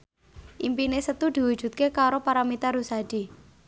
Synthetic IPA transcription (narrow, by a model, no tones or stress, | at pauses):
ʔimpinesət̪ud̪̥i̤wu̥d͡ʒ̥ṳt̪̚kekaɾopaɾamit̪aɾusad̥i